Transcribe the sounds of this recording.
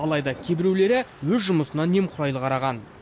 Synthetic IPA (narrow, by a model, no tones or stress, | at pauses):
ɑlˠɑjd̪ɑkʲʰe̞bɪɾewle̞ɾɪwɵzʒʊməsənɑne̞mqʰʊɾɑjlˠəqʰɑɾɑʁɑn